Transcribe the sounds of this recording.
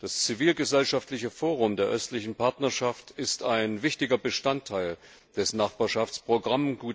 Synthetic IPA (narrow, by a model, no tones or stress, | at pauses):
d̥ast͡siviːlɡəzɛlʃaftlɪçəfoːʁ̞ʊmdeːɐʔœstlɪçn̩pʰaɐtnɐɐʃaftɪstaɪnvɪçtɪɡɐbəʃtantʰːaɪl | d̥ɛsnaχb̥aːɐʃaft͡spʁ̥oɡʁamɡuː